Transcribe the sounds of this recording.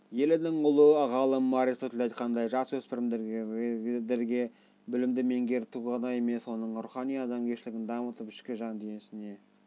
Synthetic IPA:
je̞lɪnɪŋʊlˠəʁɑlˠəmmɑɾisət̪ʰlɑjt̪qʰɑnd̪ɑjʒɑswɵspɪɾɪmd̪eɾ | d̪eɾɡʲe̞ | bʏlɪmd̪ɪme̞ŋɡʲe̞ɾt̪ʰuʁɑnɑje̞me̞swo̞nəɴɾuχɑnijɑd̪ɑmkʲʰeʃɪlɪɡʲɪnd̪ɑmət̪əpɪ̥ʃkʲɪʒɑnd̪enɪsɪne̞

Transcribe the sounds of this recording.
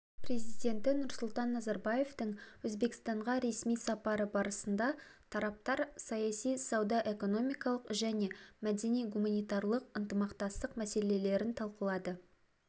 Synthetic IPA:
prʲe̞zijd̪e̞nt̪ɪnʊɾsʊlˠt̪ɑnːɑzɑɾbɑje̞ft̪əŋwɵzbe̞kst̪ɑɴʁɑɾe̞smijsɑpɑɾəbɑɾəsənd̪ɑt̪ʰɑɾɑp̚t̪ɑɾsɑjɑsijsɑwd̪ɑʔe̞ko̞no̞mijkɑlˠəqʒæne̞mæd̪e̞nijɡumanijt̪ɑɾlˠəq̚ənt̪əmɑqt̪ɑst̪əqmæse̞le̞le̞ɾɪnt̪ʰɑlˠqəlˠɑd̪ə

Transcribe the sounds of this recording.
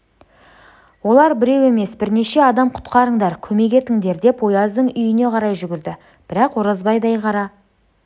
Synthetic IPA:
wo̞lˠɑɾbɪɾe̞we̞me̞sbɪɾne̞ʃe̞ɑd̪ɑmqʰʊ̥t̪qɑɾəɴd̪ɑɾkʲʰɵme̞ɡʲe̞t̪ɪŋd̪e̞ɾd̪e̞pwo̞jɑzd̪əɴʏjɪne̞qʰɑɾɑjʒʏɡʲɪɾd̪ɪ | b̥ɪɾɑqwoɾɑzbɑjd̪ɑjqʰɑɾɑ

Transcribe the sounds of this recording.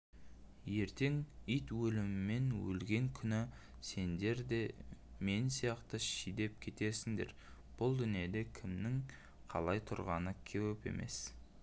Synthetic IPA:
je̞ɾt̪e̞ŋijt̪wɵlɪmɪmːe̞nwɵ̰lɡʲe̞ŋkʲʰʏnɪ | se̞nd̪e̞ɾd̪e̞ | me̞nsijɑqt̪əʃijd̪e̞p̚kʲʰe̞t̪e̞ɾsɪŋd̪e̞̰ɾ | b̥ʊlˠd̪ʏnije̞d̪e̞kʲʰɪmnɪŋ | qʰɑ̰lˠɑjt̪ʰʊɾʁɑnəkʲʰewepe̞̰mʔe̞̰s

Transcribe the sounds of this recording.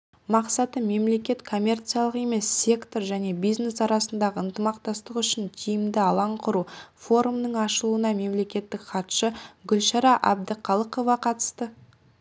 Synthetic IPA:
mɑqsɑt̪əme̞mle̞kʲe̞t̪kʰo̞mʲːe̞rt̪sijalˠəqe̞me̞sːʲe̞kt̪o̞ɾʒæne̞bijzne̞sɑɾɑsənd̪ɑʁəənt̪əmɑqt̪ɑst̪əqʏʃɪnt̪ʲʰijɪmd̪ɪɑlˠɑɴqʰʊɾufo̞ɾumnəɴɑʃəlˠuənɑme̞mle̞kʲe̞t̪ːɪkχɑt̪ʃəɡʲʏlʃɑɾɑʔæb̚d̪əqʰɑlˠəqo̞vɑqʰɑt̪ə̥st̪ə

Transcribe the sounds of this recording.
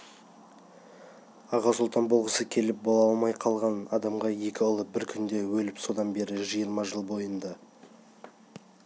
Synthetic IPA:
ɑʁɑsʊlˠt̪ɑnbolˠʁəsəkʲʰe̞lɪp̚bo̞lˠɑlˠmɑjqʰɑlˠʁɑnɑd̪ɑmʁɑje̞kʲɪʊlˠəbɪɾkʲʰʏnd̪e̞wɵlɪpso̞d̪ɑnbe̞ɾɪʒijəɾmɑʒəlˠbo̞jənd̪ɑ

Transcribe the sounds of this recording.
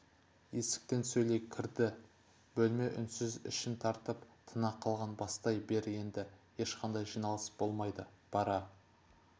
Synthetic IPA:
e̞sɪ̥k̚t̪e̞nsɵjle̞kʲʰɪɾd̪ɪ | bɵlme̞ʔʏnsɪzɪ̰ʃɪnt̪ʰɑɾt̪əpt̪ʰənɑqʰːɑlˠʁɑnbɑst̪ɑjbe̞ɾe̞nd̪ɪje̞ʃqɑnd̪ɑjʒijnɑlˠəsb̥o̞lˠmɑjd̪ə | b̥ɑɾɑ

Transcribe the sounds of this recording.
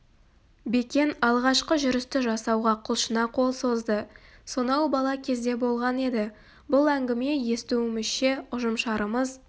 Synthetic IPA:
be̞kʲe̞nɑlˠʁɑʃqəʒʏɾɪst̪ɪʒɑsɑwʁɑqʰʊlˠʃənɑqʰo̞lˠso̞zd̪əsonɑwbɑlˠɑkʲʰe̞zd̪e̞bo̞lˠʁɑne̞d̪ɪ | bʊlˠæŋɡʲɪme̞je̞st̪uɪmɪzʃe̞ʊʒəmʃɑɾəməz

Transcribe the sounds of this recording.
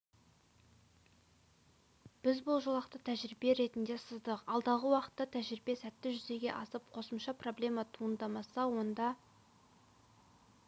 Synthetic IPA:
b̥ɪzbʊlˠʒolˠɑqt̪ət̪ʰæʒɾibe̞ɾe̞t̪ɪnd̪e̞səzd̪əqɑlˠd̪ɑʁəwɑqə̥t̪ːɑt̪ʰæʒɾɪbe̞sæt̪ːɪʒʏze̞ɡʲe̞̰ʔɑsəp̚qʰo̞səmʃɑpro̞blʲe̞mɑt̪ʰuənd̪ɑmɑsɑwo̞nd̪ɑ

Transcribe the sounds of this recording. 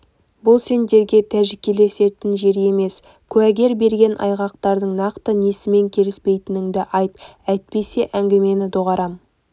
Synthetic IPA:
bʊlˠse̞nd̪e̞ɾɡʲe̞t̪ʰæʒɪkʲːele̞se̞t̪ɪnʒe̞ɾe̞me̞s | kʲʰʉæɡʲe̞ɾbe̞ɾɡʲe̞nʔɑ̰jʁɑq̚t̪ɑɾd̪əɴnɑqt̪ənesɪme̞ŋkʲʰe̞lɪspe̞jt̪ɪnɪŋd̪ɪʔɑjt̪̚æjt̪̚pe̞se̞ʔæŋɡʲeme̞nɪd̪oʁɑɾɑm

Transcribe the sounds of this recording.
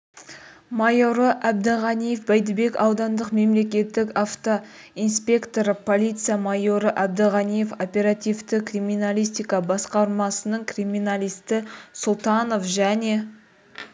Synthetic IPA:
mɑjo̞ɾəʔæb̚d̪əʁɑnijefbæjd̪ɪbe̞kɑwd̪ɑnd̪əqme̞mle̞k̬ʲe̞t̪ːɪkaft̪o̞ | inspʲe̞kt̪o̞ɾəpʰo̞lʲit̪sɨjamɑjo̞ɾəʔab̚d̪əʁɑnijefopʲe̞ɾat̪ijvt̪ɪkrimʲinalʲijs̬t̪ijkɑbɑsqɑɾmɑsənəɴkrimʲinalʲijst̪ɪsʊlˠt̪ɑno̞fʒæne̞

